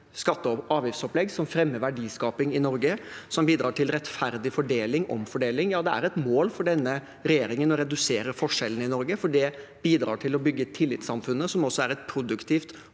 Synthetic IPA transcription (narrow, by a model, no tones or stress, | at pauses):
skɑt̪ːəɑːʋjɪfsɔplɛɡsɔmfɾɛmːəʋæɖiːskɑːpɪŋɪnɔɾɡəsɔmbiːd̪ɾɑːʈʰɪlɾɛt̪fæɾd̪ɪfɔɖeːlɪŋɔ̰mfɔɖeːlɪŋjɑːd̪ɛæ̰ɾɛt̪moːlfɔɖɛnːə | ɾɛjeːɾɪŋənɔɾɛd̪ʉseːɾəɾfɔʂɛlːən̩ɪnɔɾɡəfɔɖɛb̥iːd̪ɾɑ̰ːʈʰɪlɔbʏɡːət̪ʰɪlːɪt̪sɑmfʉnːəsɔmɔsːɔæɾɛt̪pʰɾʊd̪ʉkt̪ʰiːft̪